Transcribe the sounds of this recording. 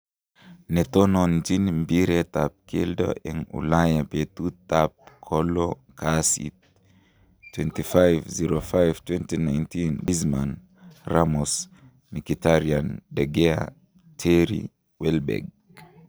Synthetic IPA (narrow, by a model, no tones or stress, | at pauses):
nɛt̪ɔnɔnd͡ʒinmbiɾɛt̪ap̚kildɔ̰ʔɛŋṵlajapet̪ut̪ap̚kʰɔlɔkʰasḭt | tːwɛntifajvziɾofajvtwɛntinajntinbizma̰n | ɾamɔs | mikitaɾiandɛɡɛa | tʰɛɾḭ | wɛlbɛ̰ɡ̚